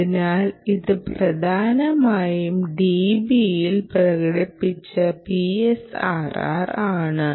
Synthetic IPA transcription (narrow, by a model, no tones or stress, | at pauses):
inaːliðɨprɐd̪ʱaːnɐmaːjumɖibijilprɐɣɐɽipːit͡ɕːɐpiesa̰ːra̰raːɳɨ